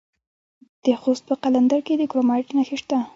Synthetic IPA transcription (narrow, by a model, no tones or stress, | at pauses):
d̪̥əxost̪̚pəqaland̪aɾked̪əkɾomɑʈnaxeʃt̪a